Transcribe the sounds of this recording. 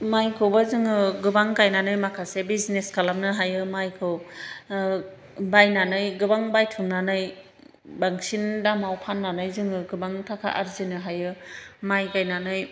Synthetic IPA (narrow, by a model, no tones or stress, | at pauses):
majkʰɯwbazɯŋɯɡɯbaŋkajnanɯjmakʰasebizneskalamnɯɦajɯmajkʰɯw | bajnanɯjɡɯbaŋbajtʰɯmnanɯj | baŋsindamawpʰanːanɯjzɯŋɯɡɯbaŋtʰakʰa̰ʔaɾzinɯɦajɯmajkajnanɯj